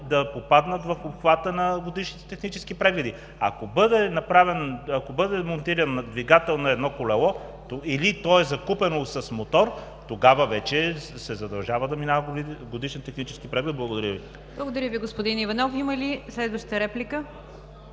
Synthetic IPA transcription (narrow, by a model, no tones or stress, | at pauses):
d̪ɐpopad̪nət̪vɐfopxvat̪ənɐɡod̪iʃnit̪ɛ̥t̪ɛxnit͡ʃɛskipɾɛɡlɛd̪i | ɐ̰kobɤd̪ɛnɐpɾavɛnɐkobɤd̪ɛmont̪iɾənːɐd̪viɡat̪ɛlˠnɐɛd̪nɔkolɛlˠɔ | t̪oilit̪ɔɛzɐkupɛnosɐsmot̪ɔɾ | t̪oɡavəvɛt͡ʃɛsɛzɐd̪ɐlˠʒavəd̪ɐminavəɡɡod̪iʃɛnt̪ɛxnit͡ʃɛ̥skipɾɛɡlʲɛd̪̚blˠɐɡod̪ɐɾʲjəvi | blˠɐɡod̪ɐɾʲjəviɡospod̪inivɐnɔfiməlislɛd̪vəʃt̪əɾɛplʲikə